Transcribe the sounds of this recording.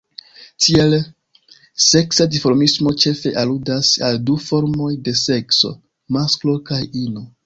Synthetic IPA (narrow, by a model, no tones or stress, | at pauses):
tʰie̞l | se̞ksadifoɾmismo̞t͡ʃe̞fe̞ʔaludasaldufo̞ɾmo̞jde̞se̞kso̞̰ | masklo̞kajino